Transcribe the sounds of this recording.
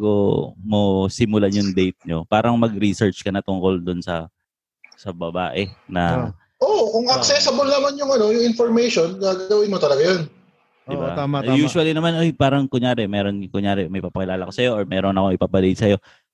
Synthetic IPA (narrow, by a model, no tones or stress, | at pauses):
ɡomosimʊlɐɲʊŋd̪ejt̪̚ɲo̞paːɾɐŋmɐɡɾisɛɹt͡ʃkɐnɐt̪ʊŋko̞ld̪ʊnsɐ | sɐbɐba̰ːʔɛnɐ | ʔoʔkʊŋɐksɛsɪbolnɐmanjʊŋɐno̞jʊŋɪnfoɹmejʃo̞nɡaːɡɡɐwɪnmot̪ɐlɐɡajon | d̪ɪba̰juːʃʊwɐlinɐmanʔojpaːɾɐŋkʊɲaːɾɛmɛːɾonkʊɲjaːɾɛmɐpapɐkɪlaːlɐko̞sɐjo̞ʔoɹmɛːɾonɐkoŋɪpapɐd̪ejt̪sɐjo̞